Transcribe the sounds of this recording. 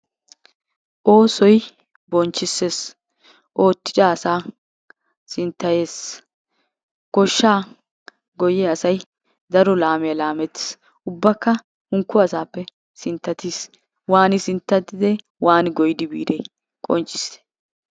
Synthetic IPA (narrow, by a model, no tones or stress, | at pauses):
ʔo̞ːsɔj | bɔnt͡ʃːɪsːes | ʔo̞ːt̪ːɪ̥t͡ʃaɐsaː | sɪnt̪ːɐjeːs | ɡ̥ɔʃːaː | ɡɔjɛɐsɐj | d̪ɐɾɔlaːmɛjɐlaːmɛt̪ːɪ̥s | ʊbːɐkːɐ | hʊŋkːʊɐsaːpːɛ | sɪnt̪ːɐt̪iːs | waːnɪsɪnt̪ːɐt̪ːɪd̪ɛ | waːnɡɔjɪd̪ɪbḭːd̪ɛj | kʼɔnt͡ʃʼɪ̥se̥